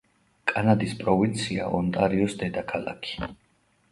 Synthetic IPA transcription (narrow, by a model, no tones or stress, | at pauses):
kʼanad̪ispʼɾɔvint̪sʰiaʔɔnt̪ʼaɾiɔsd̪ɛd̪akʰalˠa̰kʰi̥